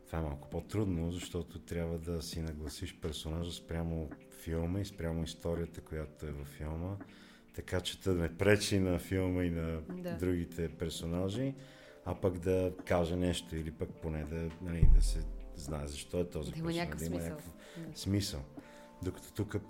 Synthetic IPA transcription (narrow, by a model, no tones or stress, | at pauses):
t̪v̥aɛmalˠkʊ̥pot̪ɾud̪nozɐʃt̪ɔt̪ot̪ɾʲjabvəd̪ɐsinɐɡlˠɐsiʃpɛɾsonaʒəspɾʲamo | filˠməispɾʲamoist̪ɔɾiət̪əkojat̪oɛvɐfːilˠmə | t̪ɐkat͡ʃɛ̥t̪ənɛpɾɛt͡ʃinɐfilˠməinɐdd̪ɾuɡit̪ʰɛpɛɾsonaʒi | ɐpəɡd̪ɐkaʒɛnɛʃt̪oilipək̚ponɛd̪ɐnɐlid̪ɐsɛznaɛzɐʃt̪ɔɛt̪ɔzikʲand̪ɐimənʲakəf | smisəlˠ | d̪okɐ̥t̪ɔ̥t̪ukə